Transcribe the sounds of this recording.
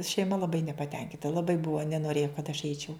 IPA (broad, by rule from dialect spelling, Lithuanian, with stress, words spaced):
ʃʲɛɪˈmɐ lˠɐˈbɐɪ nʲɛpɐˈtʲɛŋʲkʲɪntɐ lˠɐˈbɐɪ ˈbʊʋoː nʲɛnoːˈrʲeːjoː kɐt ɐʃ ˈɛɪt͡ʃʲɛʊ